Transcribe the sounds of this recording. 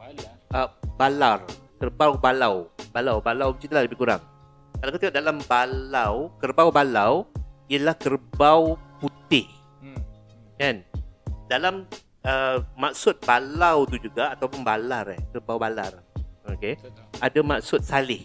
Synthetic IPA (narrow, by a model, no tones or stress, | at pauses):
əbalarkərbawbalawbalawbalawt͡ʃit̪alaləbɪkuɾa̰ŋ | kalawkət̪iŋaʔdalambalawkərbawbalawiəlahkərbawput̪ɪh | kandalam | əːak̚sʊt̪̚balawt̪ud͡ʒuɡaːt̪awpʊnbalaɾɛ̰hkərbawbalarokeadamak̚sʊt̪̚salɪh